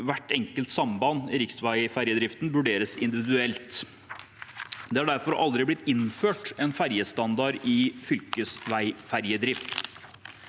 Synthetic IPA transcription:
ʋæʈɛŋkəlt̪sɑmbɑnɾɪksʋæɪfæɾjəd̪ɾɪft̪n̩ʋʉɖeːɾəsɪ̰nd̪ɪʋɪd̪ʉɛlt̪ | d̪ɛhɑɖæɾfɔɾʔɑ̰ld̪ɾɪblɪt̪ːɪnføːʈɛnfæɾjəst̪ɑnd̪ɑɾɪfʏlkəsʋæɪfæɾjəd̪ɾɪft̪

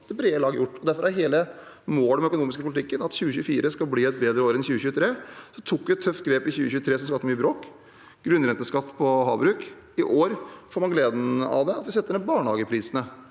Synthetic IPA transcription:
d̪̥ɛbɾeːəlɑːɡəjʊʈːɔd̪æɾfɔɾæɾɦeːlə | moːlmœkʊnuːmɪskəpʰʊlɪt̪ɪkːənɑt̪çʉːəçʉːfiːɾəskɑlbliːɛt̪̚beːd̪ɾəoːɾɛnçʉːəçʉːət̪ʰɾeːsɔt̪ʰuk̪ːɪɛt̪ʰːœft̪̚ɡɾeːpɪçʉːəçʉːət̪ʰɾeːsɔmskɑt̪ːmyːəbɾoːk | ɡ̥ɾʉnːɾɛnt̪ːəskɑt̪ːpʰɔhɑbɾʉːk | ɪʔoːɾfoːɾmɑnɡleːd̪n̩ɑ̰ʋd̪ɛɑt̪ʋɪsɛt̪ːəɳːbɑːɳhɑːɡəpʰɾiːsənə

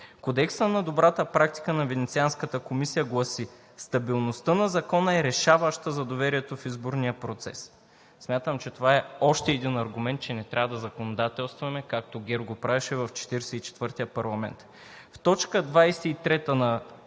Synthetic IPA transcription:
kod̪ɛksənɐd̪obɾat̪əpɾak̚t̪i̥kənɐvɛnɛt̪sianskət̪əkomisijəɡlˠɐsi | st̪ɐbilˠnost̪ənɐzɐkɔnəɛɾɛʃavəʃt̪əzɐd̪ovɛɾiɛt̪ofizboɾnijəpɾot̪sɛ̰s | smʲjat̪əmt͡ʃɛt̪ovaɛɔʃt̪ɛːd̪inɐɾɡʊmɛnt̪̚t͡ʃɛnɛt̪ɾʲavəd̪ɐzɐkonod̪at̪ɛlˠst̪vɐmɛkak̚t̪oɡʲɛɾɡopɾavɛʃɛvɐft͡ʃɛ̥t̪iɾɛsɛit͡ʃɛ̥t̪vɤɾt̪ijəpɐɾlˠɐmɛ̰nt̪ | ft̪ɔt͡ʃkəd̪vajsɛit̪ɾɛt̪ənɐ

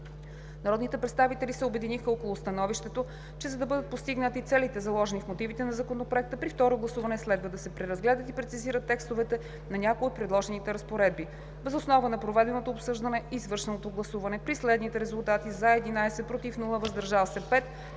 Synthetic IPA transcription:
nɐɾɔd̪nit̪ɛpɾɛt̪st̪avit̪ɛlisɛobɛd̪inixəɔkolˠʊst̪ɐnɔviʃt̪ɛt̪o | t͡ʃɛzɐd̪ɐbɤd̪ət̪̚post̪iɡnət̪it̪sɛlit̪ɛzɐlˠɔʒɛnifmot̪ivit̪ɛnɐzɐkonopɾoɛk̚t̪əpɾift̪ɔɾoɡlˠɐsuvɐnɛslɛd̪vəd̪ɐsɛpɾɛɾɐzɡlɛd̪ət̪ipɾɛt̪iziɾət̪ːɛkst̪ovɛt̪ɛ | nɐnʲakoiot̪̚pɾɛd̪lˠɔʒɛnit̪ɛɾɐspoɾɛd̪̚bi | vɛzosnɔvənɐpɾovɛd̪ɛnot̪oːpsɤʒd̪ɐnɛizvɤɾʃɛnot̪oɡlˠɐsuvɐnɛpɾislɛd̪nit̪ɛɾɛzulˠt̪at̪izɐɛd̪inajsɛt̪̚pɾot̪ifnulˠəvɐzd̪ɐɾʒalˠsɛpɛt̪

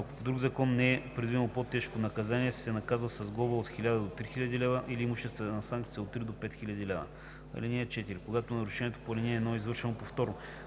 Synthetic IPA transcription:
ako̥pod̪ɾuɡzɐkɔnːɛɛpɾɛd̪vinəlˠpot̪ɛʃkonɐkɐzaniɛssɛnɐkazvəsɐzɡˠɔbəot̪xilʲad̪əd̪ot̪ɾixilʲɐd̪ilɛvəʔiliːmuʃɛst̪vɛt̪ɛnɐsaŋk̚t̪siɛot̪ːɾid̪opɛt̪xilʲɐd̪ilɛvə̰ | ɐ̰lʲinʲiɛt͡ʃɛt̪iɾikoɡat̪onɐɾʊʃɛnʲiɛt̪o̥polʲɛniɛnoizvɤɾʃɛnopoft̪ɔɾno

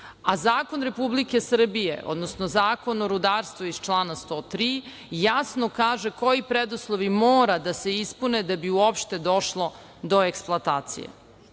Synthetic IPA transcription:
azaːko̞nɾe̞publike̞sr̩bijḛʔo̰d̪nosnozaːko̞noɾud̪aːɾst̪vʋuiz̥t͡ʃlˠaːnast̪oːt̪ɾi | jasnokaːʒe̞ko̞jipɾed̪uslˠoʋimoːɾad̪ase̞ispuned̪abiuopʃt̪e̞d̪o̞ʃlˠo̞ | d̪o̞eksplˠoat̪aːt̪sḭjḛ

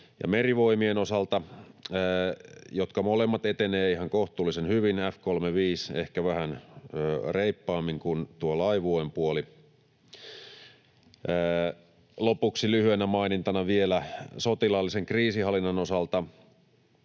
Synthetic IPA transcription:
jɑ̰meriʋoimienosɑlt̪ɑ | jot̪kɑmolemːɑt̪et̪eneːihɑŋkoht̪ˑuːlːisenhyʋinæfkolmeʋiːsḛhkæʋæhænøːreipːɑːmːiŋkunt̪uolɑiʋuempuoli | lopuksilyhyenæmɑinint̪ɑnɑʋielæsot̪ilɑlːiseŋkriːsihɑlːˑinːɑnosɑlt̪ɑ

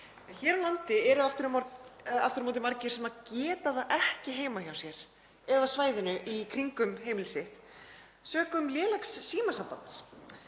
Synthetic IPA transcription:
çɛːɾalant̪ɪɛɾʏaft̪ʏɾʏmɔa̰ft̪ʏɾmoːt̪ɪmaɾcɪɾ̥sɛmacɛːt̪aðaʔɛhcɪɦeːjmaçawsjɛɾ̥ | ɛðasvaːjðɪnʏʔikʰɾiŋkʏmɦeːjmɪlsɪht̪ | sœːkʏmljɛːlaksːiːmasampans

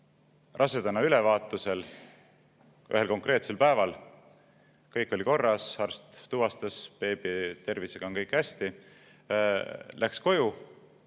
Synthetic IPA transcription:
rʔɑsed̪̥ɑnːɑylevɑːt̪ːˑuse̞l | ʔy̰ɦe̞lko̞ŋkre̞ːt̪se̞lpæevɑl | kɤjkːˑo̞lʲiko̞rːɑsɑrst̪t̪uvɑst̪ɑspe̞ːb̥it̪e̞rviseɡ̥ɑonkɤjkːhæsʲt̪i | lʔæksko̞ju

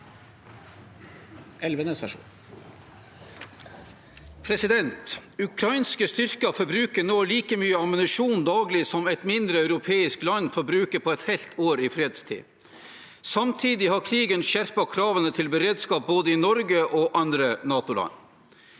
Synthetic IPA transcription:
ɛlʋənəsɛʂṵːn | pʰɾɛsɪd̪ɛnt̪ʉkʰɾɑɪnskəst̪ʏɾkɑfɔɾbɾʉːkənoːliːkəmyːəɑmənɪʂuːnd̪ɑːɡlɪsɔmɛɪt̪mɪnd̪ɾəœʉɾʊpʰeːɪsklɑnːfɔɾbɾʉːkəpʰɔɛt̪hɛlt̪ʰoːɾɪfɾeːd̪st̪ʰḭː | sɑmt̪ʰiːd̪ɪhɑkʰɾiːɡənʃæɾpɑkʰɾɑːʋənət̪ʰɪlbəɾeːd̪skɑːp̚boːd̪əɪnɔɾɡəʔoːʔɑnd̪ɾənɑːt̪ʊlɑ̰n

